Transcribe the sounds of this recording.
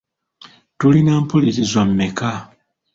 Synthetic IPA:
tulinaːmpuliɾizwamːeka

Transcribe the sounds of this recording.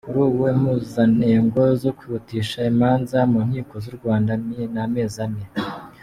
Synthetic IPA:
kuɾuːwem̥uzaneːŋɡo̞zo̞kwiβutiːʃaimaːnzamuːn̥hiːko̞zuɾɡwaːndamename̞ːzame

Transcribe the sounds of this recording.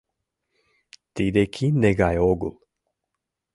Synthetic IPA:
t̪id̪ekʰineɡajoɡṵl

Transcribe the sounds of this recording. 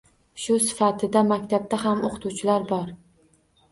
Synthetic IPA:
ʃʊsɪ̥fat̪ʰɪd̪amakʲt̪ʰab̚d̪aɦamoqʰt̪ʰuwt͡ʃʰɪlaɾbɒɾ

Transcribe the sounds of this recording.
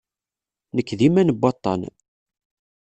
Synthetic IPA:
nəkːðimænəbːɑt̪ˤːɑ̰n

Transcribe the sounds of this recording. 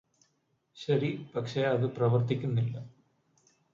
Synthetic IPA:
ɕɐɾipɐkʂe̞ɐðɨprɐʋɐrt̪ikʲːunːilːɐ

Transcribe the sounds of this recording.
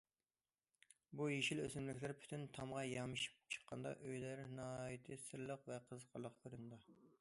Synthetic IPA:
bujeʃilø̰zɪmlɪkʲlæɾpʰy̥t̪ʰynt̪ʰɑmʁɑjɑmɨʃi̥p̚t͡ʃʰə̥qʰːɑ̰nd̪ɑ̰ʔøjlæɾnɑjit̪ʰɨsɨɾlˠəqvɛqʰəzqʰɑlˠːəqøɾund̪ɑ

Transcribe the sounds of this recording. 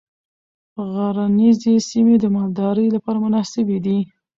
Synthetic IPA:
ɣaɾanizesimed̪əmɑld̪ɑɾəjlapɑɾamʊnɑsɪbed̪i

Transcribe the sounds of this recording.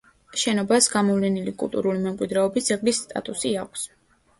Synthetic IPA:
ʃɛnɔbasɡamɔvlɛnilikʼṵlˠt̪ʼṵɾulimɛmkʼwid̪ɾɛɔbisd̪zɛɡlisːt̪ʼa̰t̪ʼusiakʷʰs

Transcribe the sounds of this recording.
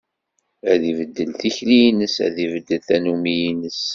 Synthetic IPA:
æðivəd̪ːəlθiçlijnəsæ̰ðivəd̪ːəlθænumijinəs

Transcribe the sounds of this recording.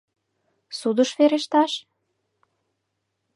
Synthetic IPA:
sud̪əʃβeɾeʃt̪ɑʃ

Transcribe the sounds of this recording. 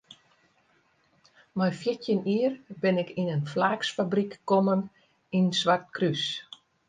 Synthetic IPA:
majfjɪtjəniərbɪnɪkinənflaːksfabrikːɔmən | insʋart̚krys

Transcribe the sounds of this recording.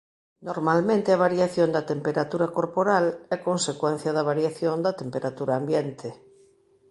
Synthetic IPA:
noɾmalmẽnt̪eaβ̞aɾjaθjond̪ɐt̪empeɾat̪uɾakoɾpoɾalɛkõnsekwɛn̟θjɐðɐβ̞aɾjaθjond̪ɐt̪empeɾat̪uɾaːmbjent̪ʰe

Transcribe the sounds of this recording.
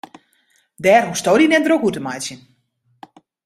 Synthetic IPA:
dɛːromstoːdinɛt̚drokutəmajsjən

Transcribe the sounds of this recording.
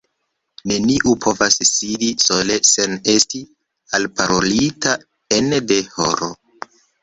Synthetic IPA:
ne̞niʔupʰo̞vasːidiso̞lese̞ne̞sti | alpaɾolita | ende̞ho̞̰ɾo

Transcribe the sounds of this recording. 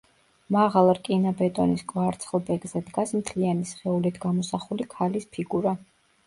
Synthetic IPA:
maʁalˠɾkʼinabɛt̪ʼɔniskʼvaɾt̪sʰχlˠbɛɡzɛd̪ɡasmt̪ʰlianisχɛulit̪ʰɡamɔsaχulikʰalispʰiɡuɾa

